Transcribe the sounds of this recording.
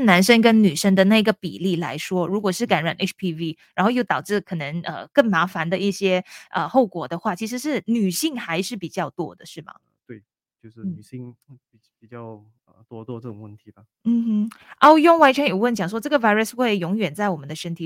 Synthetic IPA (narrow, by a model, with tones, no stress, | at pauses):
na˧˥nʂə˥ŋkə˥nny˨˩ʂə˥ŋd̪ə˨na˥˩i˧˥ɡə˧˨˩pḭ˨˩li˥˩la̰˧˥ɪʂwɔ˥ɻu˧˥kwɔ˨˩ʂɻ̩˥˩ka˧˥nɻa˨˩nʔe˥pʰi˥vi˥ɻa˧˥nxo˥˧jo˥˩ʊt̪ɑ˨˩ʊʈ͡ʂɻ̩˥˩kʰɤ˨˩nə˧˥ŋə̰˧kə˥˩ŋma˧˥fa˧˥nd̪ə˧i˥˩ɕjɛ˥ʔə˧xo˥˩ʊkwɔ˨˩d̪ə˧xwa˥˩t͡ɕʰi˧˥ʂ̬ɻ̩˧˥ʂɻ̩˥˩ny˨˩ɕi˥˩ŋxa˧˥ɪʂɻ̩˥˩pi˨˩t͡ɕjɑ˥˩ʊt̪wɔ̰˥d̪ə˨ʂɻ̩˥˩mɐ̰˩ | t̪we˥˩ɪ | t͡ɕjo˥˧ʊʂɻ̩˥˧˩y˨˩ɕi˥˧ŋi˨˩pi˨˩t͡ɕjɑ˥˩ʊ | ə˩t̪wɔ˥t̪wɔ˥˧ʈ͡ʂɤ˥˩ʈ͡ʂʊ˨˩ŋwə˥˩nt̪ʰi˧˥də˩ | n̩˥˩˥ʔɔ˥˩jʊ˥˩ŋwa˧˥nt͡ɕʰɥɛ˧˥jo˨˩ʊwə˥˩nt͡ɕjɑ˨˩ŋʂ̬wɔ˥ʈ͡ʂɤ˥˩ɡə˩fa˥ɪɹə˧˩sxwe˥˩ɪjʊ˧˥ŋɥɛ˨˩nt͡sa˥˩ɪwɔ˨˩mə˨˦nd̪ə˧ʂə˥nt̪ʰi˨˧